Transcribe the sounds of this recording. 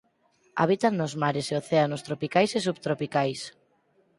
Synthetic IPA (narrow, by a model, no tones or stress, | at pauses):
a̰β̞it̪annozmaɾeseoθeanost̪ɾopikajsesuβt̪ɾopikajs